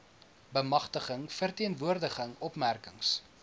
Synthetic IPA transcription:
bəmɐχtəχəŋfərtiənvuərdəχəŋɔpmærkəŋs

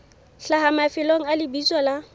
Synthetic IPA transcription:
ɬaɦamafɪloŋ̩alɪbiswala

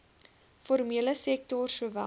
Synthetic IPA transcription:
formiələsɛk̚tɔrsuəvæ̰

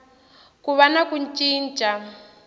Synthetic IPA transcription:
kuβanakunt͡ʃʼiːnt͡ʃʼa

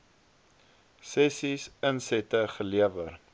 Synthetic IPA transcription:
sɛsisənsɛtəχəliəvər

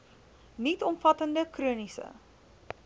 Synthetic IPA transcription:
nitɔmfɐtəndəkruənisə̰

